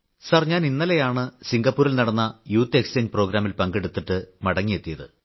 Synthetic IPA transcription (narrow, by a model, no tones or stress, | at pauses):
saːrɲːaːninːɐlejaːɳɨsiŋɡɐpːuːɾilnɐɽɐnːɐjuːt̪ːekst͡ɕeːɲd͡ʑpro̞ːɡɾaːmilpɐŋɡe̞ɽut̪ːiʈːɨmɐɽɐŋːije̞t̪ːijɐðɨ̰